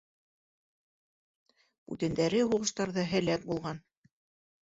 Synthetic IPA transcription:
ʉ̰t̪ɘ̆nd̪æɾɘɦuʁɤ̆ʃt̪ɑɾðɑɦɘ̆læk̚bulˠʁɑn

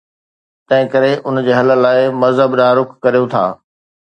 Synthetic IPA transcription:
t̪ɐ̃ɦɪ̃kɐɾeʔʊnd͡ʑeːɦɐlə̆laːɪmɐzɦəbɗaːɾʊkʰkːɐɾijõt̪ʰa̰ː

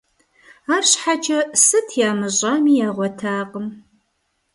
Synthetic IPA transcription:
aːɕħad͡ʒʼɐsɨtʰjaːmɨɕʼɐmiːjaːʁʷɔtʰaːqəm

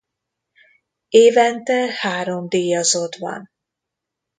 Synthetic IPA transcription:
eːvɛnt̪ɛhaːɾo̞md̪iːjɒzod̪vɒ̰n

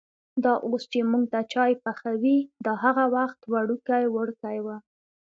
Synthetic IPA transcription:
d̪ɑʔost͡ʃemuŋɡ̚t̪at͡ʃɑjpaxawid̪əɦaɣawaxt̪waɽukajwəɽkajwa

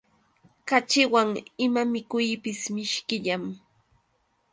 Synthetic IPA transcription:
kat͡ʃɪwaŋɪmamɪkʊjpɪsmɪʃkɪʎam

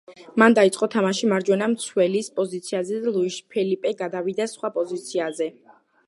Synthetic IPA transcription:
mand̪ait̪sʼqʼɔt̪ʰamaʃimaɾd͡ʒwɛnamt̪sʰwɛlispʼɔzit̪sʰiazɛd̪alˠuiʃpʰɛlipʼɛɡad̪awid̪asχwapʼɔzit̪sʰiazɛ

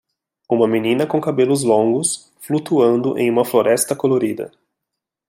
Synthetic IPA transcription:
ũmɐminĩnɐkõkabelʊzlõŋɡʊs | flut̪uɐ̃nd̪ʊʔḛ̃j̃ũmɐfloɾʔɛst̪ɐkoloɾid̪ɐ̰

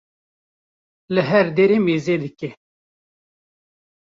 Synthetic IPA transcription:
lɨɦɛɾd̪eːɾeːmeːzeːd̪ɨkɛ

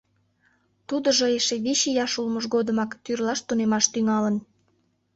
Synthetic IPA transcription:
t̪ud̪əʒoeʃeβiɕejɑʃulməʒɣod̪əmɑkt̪yrlɑʃt̪unemɑʃt̪yŋɑlən

